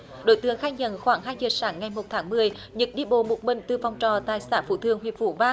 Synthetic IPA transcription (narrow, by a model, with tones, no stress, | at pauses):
ɗo̰˧˥jt̪ɨ˨˧˦əŋxaː˧jɲə̰˧˨nxwaː˧˩ŋɦaː˧jzəː˨˩saː˨˦ŋːa˨˩jmo˨˩t̚t̪ʰaː˨˦ŋmɨ˨˩əj | ɲɨ̰˧˥k̚ɗi˧ɓo̰˧˨mo˨˩t̚mï˧˨ŋ̟t̪ɨ˨˩fɔ˨˩wŋ͡mt͡ɕɔ˨˩t̪aː˧˨jsa̰ː˧˥fṵ˧˩t̪ʰɨ̰˨˧˨əŋhwḭ˧˨əvṵ˧˩vaː˧